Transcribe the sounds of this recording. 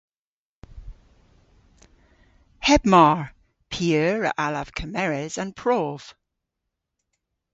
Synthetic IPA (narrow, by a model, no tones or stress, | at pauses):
hɛbmaɹ | pʰiəːɹə̰ʔaləv̥kʰəmɛɹɪzə̃npʰɹ̥ɔːv̥